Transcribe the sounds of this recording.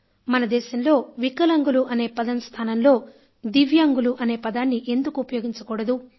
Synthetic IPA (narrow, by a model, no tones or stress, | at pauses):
mɐnɐd̪ɛːʃɐmlo̞ːʋikɐlɐŋɡuluʔɐne̞ːpɐd̪ɐmst̪ʰaːnɐmlo̞ː | d̪iʋjaːŋɡuluʔɐneːpɐd̪aːnːiʔe̞nd̪ukuːpɐjo̞ːɡiɲt͡ʃɐkɔːɽɐd̪u